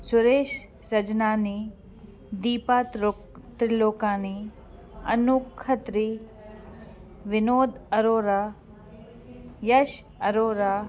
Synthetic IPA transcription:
sʊɾeːʃ | sɐd͡ʒnaːni | d̪iːpaːt̪ɾo | t̪ɾiloːkaːni | ɐ̰nukʰɐt̪ɾi | ʋɪnoːd̪ɐɾoːɾa | jɐʃ | ɐɾoːɾaː

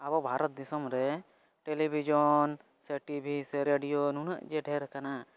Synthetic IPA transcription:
abɔbʱaɾɔt̪̚d̪isɔmɾɛ | ʈelibʱid͡ʒɔn | seʈibʱiseɾeɖijonuna̰ʔd͡ʒeɖʱɛɾkana

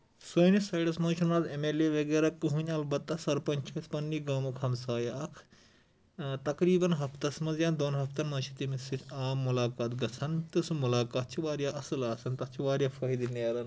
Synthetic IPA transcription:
soːjnisɐɖɐsmɐːt͡ʃʰunaːzemeleːʋɐɡeːɾakːɨɦunʲɐlbɐt̪ːɐsɐɾpɐnʲt͡ʃʰɐspɐnːiɡaːmukʰɐmsaːjɐɐkʰ | t̪ɐkɾiːbɐnɦɐft̪ɐsmɐnzjãːnd̪oːnɦɐft̪ɐnmɐt͡ʃʰi̥t̪imisitʰaːmːulaːkaːt̪ɡɐt͡sʰɐnt̪ɨsumulaːkaːt̪t͡ʃʰiʋaːɾjaʔɐsɨlaːsɐnt̪ɐt̪t͡ʃʰiʋaːɾjaːfɐɦid̪ineːɾɐn

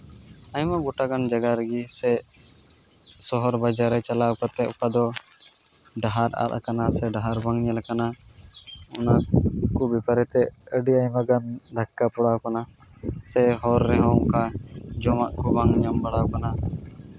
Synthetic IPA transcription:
ajmaɡuʈaɡand͡ʒaɡaɾəɡisɛ | sɔɦɔɾbad͡ʒaɾɛt͡ʃalaukat̪ɛʔukad̪ɔ | ɖaɦaɾa̰t̪̚akanasɛɖaɦaɾbaŋɲɛlkana | ʊnakubipaɾɛt̪ɛəɖiajmaɡand̪ʱakːapuɽakana | sɛɦɔɾːɛɦɔ̃kad͡ʒɔmaʔkɔbaŋɲambaɽakana

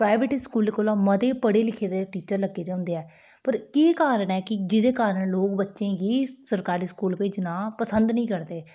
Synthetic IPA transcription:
pɾaːɪʋeːʈɪskuːlekoːlãːməd̪eːpəɽeːlɪkʰeːd̪eːʈiːt͡ʃəɾləɡːeːd̪eːɦʊ̃nd̪eːɛː | pəɾkeːkaːɾəɳɛːkɪd͡ʒɪd̪eːkaːɾəɳloːkbətːʃẽːɡiːsəɾkaːɾiːskuːlped͡ʒnãːpəsə̃nd̪nəĩːkəɾd̪eː

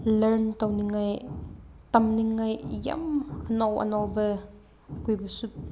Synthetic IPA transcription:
lɐɾntawniŋːaj | tɐmniŋːajjɐ̰mɐnɔwɐ̰nɔwbɐ | ɐkujbɐsut̚

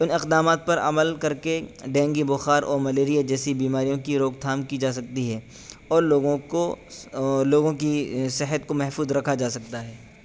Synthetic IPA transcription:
ɪnɪqd̪aːmaːt̪̚pɐɾɐ̰məlkɐɾkeɖɛ̃ːŋɡibʊxaːɾʔɔ̰ːɾmɐleːɾijad͡ʒɛːsibiːmaːɾijõkiɾoːɡt̪ʰaːmkid͡ʒaːs̬ɐk̚t̪iɦɛː | ɔːɾloːɡõko | loːɡõkisɪɦət̪komɛɦfuːzɾɐkʰad͡ʒaːsɐk̚t̪aɦɛː

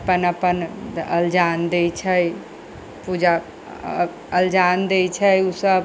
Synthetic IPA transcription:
pənəpənəld͡ʒand̪ejt͡ʃʰəj | pud͡ʒa | əld͡ʒand̪et͡ʃʰəjusəb

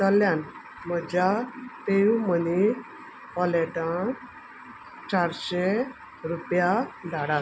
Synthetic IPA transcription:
t̪əljan | məd͡ʑapejuməni | pɔlɛʈa | t͡ɕaɾɕe | ɾupjad̪ʱaɽa

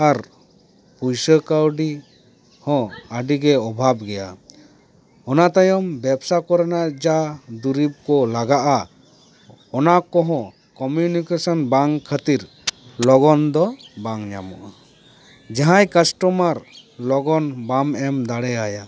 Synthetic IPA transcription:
aɾ | pujsəkawɖi | hɔ̃əɖiɡɛɔbʱabɡɛja | ɔnat̪ajɔmbɛbsakɔɾɛnaʔd͡ʒad̪uɾib̚kɔlaɡaʔa | ɔnakɔɦɔ̃ | kɔmjunikesɔnbaŋkʰət̪iɾ | lɔɡɔnd̪ɔbaŋɲa̰mɔʔa | d͡ʒaɦãjkasʈɔmaɾlɔɡɔnbamɛmd̪aɽɛaja

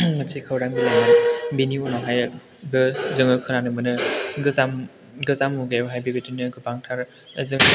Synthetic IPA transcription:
masʰekʰawɾaŋbilaŋanbiniɔnɔɦaj | bɯzɯŋɯkʰɯnanɯmɯnɯɡɯzam | ɡɯzamuɡajbɯɦajbebetɯnɯɡɯbaŋtʰaɾ | zɯŋ

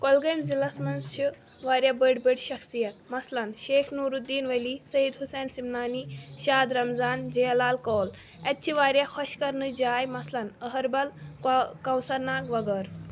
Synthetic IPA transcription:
kɔlɡəjmzilasmɐnzt͡ʃʰiʋaːɾʲjabəɖbəɽɕɐksijɐt̪mɐslanʃekʰnuɾud̪ːiːnʋəliːsəjid̪ɦusɛnsimnaːniɕaːd̪ɾɐmzaːnd͡ʑɐjɐlaːlkɔːl | ɛt̪̚t͡ʃʰiʋaːɾjaxʰɔɕkɐɾnɨd͡ʑaːjmɐslanəɦəɾbɐlkɐ̃wsɐɾnaːkʋɐɡəɾ

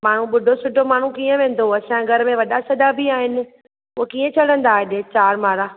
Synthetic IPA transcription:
maːɳ̤ũɓʊɖʱosʊʈomaːɳ̤ũkiːə̃ʋẽːn̆d̪oɐsãɡʱɐɾmẽʋɐɗasɐd̪abʱiaːɦɪnɪ̆ | ʊɦkiːə̃t͡ɕʰɐɽ̤ə̃nd̪aːɗɪt͡ɕaːɾmaːɾaː

